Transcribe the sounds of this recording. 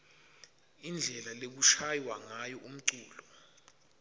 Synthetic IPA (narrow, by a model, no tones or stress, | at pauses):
ind͡ɮʱɛlalek̬uʃajwaŋajɔʔum̩ǀuːlɔ